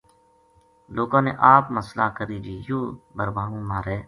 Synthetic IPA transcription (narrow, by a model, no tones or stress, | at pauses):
loːkãːnḛːʔaːpməslãːkəɾiːd͡ʒiːjoːbəɾʋãːũːmãːɾeː